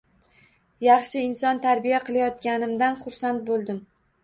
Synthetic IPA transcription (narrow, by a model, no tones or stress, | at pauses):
jɑχʃɪɪnsɒnt̪ʰaɾbijaqʰɨlˠajɒt̪kʲanɪmd̪anχʊɾsant̪̚bolˠd̪ɪm